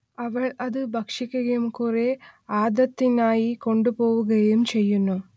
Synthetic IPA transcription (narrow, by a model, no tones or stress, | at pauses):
ɐʋɐɭɐd̪ɨbʱɐkʂikʲːuɣɐjumkure̞aːd̪ɐt̪ːinaːjiko̞ɳɖupo̞ːʋuɣɐjumt͡ɕe̞jːunːu